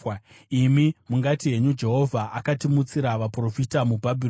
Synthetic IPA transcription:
imimuŋɡatije̞ɲud͡ʒe̞ɦo̞vʱaʔakatimut͡siɾaʋapro̞fitamubʱabʱir

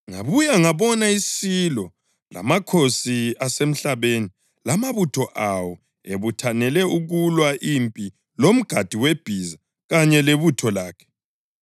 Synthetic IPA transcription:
ŋa̰βujaŋaβɔnaisilɔ | la̰makʰosiasem̩ɬaβeni | lamaβutʰɔʔawɔ | eβutʰanɛlɛuɣulwaʔimpʼi | lom̩ɡ̥ʱad̥ʱiweb̥ʱiza | ɣaɲɛleβutʰɔlaːkʰɛ̥

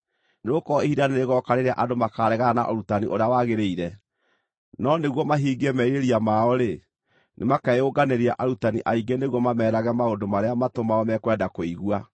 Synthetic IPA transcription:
neɣokɔehidaneɾeɣɔkaɾeɾeaʔadomakaːɾɛɣaana̰ʔɔɾutaniʔoɾeawaɣeɾeiɾɛ | nɔneɣwɔmaɦiːɡɛmɛiɾeɾiamaɔɾe | nʔemakaoɡaneɾiaʔaɾutaniʔaiɡeneɣwɔmamɛːɾaɣɛmaodomaɾeamatomaɔmɛkwɛdakoiɣua

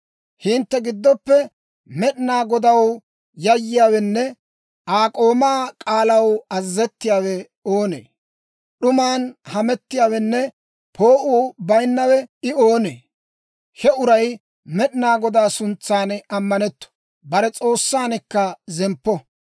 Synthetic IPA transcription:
hɪnt̪ːɛɡɪd̪ːɔpːɛ | mɛɗnaːɡɔd̪ɐw | jɐjːɪjaːwɛnːɛ | aːkʼo̞ːmaːkʼaːlɐwɐzːɛt̪ːɪjaːwɛ | o̞ːnḛː | ɗʊmaːnhɐmɛt̪ːɪjaːwɛnːɛ | pʰo̞ːʔuːbɐjnːɐwɛɪoːnḛː | hɛʊɾɐj | mɛɗɪnaːɡɔd̪aːsʊnt͡sːaːnɐmːɐnɛt̪ːɔ̥ | bɐɾɛt͡sʼo̞ːsːaːnɛkːɐzɛmpːɔ

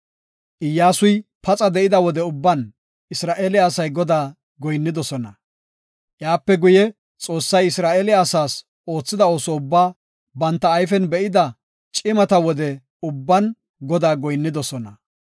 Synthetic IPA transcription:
ʔɪjːaːsʊjpɐt͡sʼɐd̪ɛɪd̪ɐwɔd̪ɛʊbːɐn | ɪsɾaːʔeːlɪaːsɐjɡɔd̪aː | ɡɔjnːɪd̪ɔsɔnɐ | ʔjaːpːɛɡʊjɛ | t͡sʼo̞ːsːɐjɪsɾaːʔeːlɪasaːs | o̞ːt͡sːɪd̪ɐo̞ːsɔʊbːaː | bɐnt̪ːɐːjfɛnbɛʔɪd̪ɐ | t͡ʃʼɪmɐt̪ɐwɔd̪ɛ | ʊbːɐn | ɡɔd̪aːɡɔjnːɪd̪ɔsɔnɐ

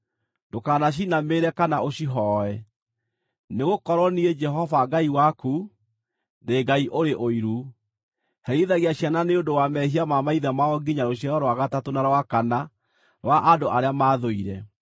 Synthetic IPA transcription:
ndokaːnaɕ̬inameːɾɛkanaoɕiɦɔɛ | neɣokɔɾwɔniɛd͡ʒɛɦɔvaɡaiwaku | ndeɡaiʔoɾeʔoiɾu | hɛɾiðaɣiaɕjananeondowamɛɦiamamaiðamaɔɡiɲaɾoɕjaɾɔɾwaɣatatonaɾwakana | ɾwaʔadoʔaɾeamaːðoiɾɛ

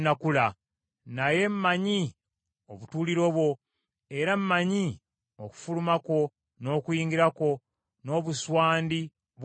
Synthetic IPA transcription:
nakula | naje̞mmːaɲi | oβutuːliɾo̞βwo̞ | e̞ɾammaɲi | o̞̰ku̥fulumako̞ | no̞ːkujiːŋɡiɾako̞ | no̞βuswaːndi | β

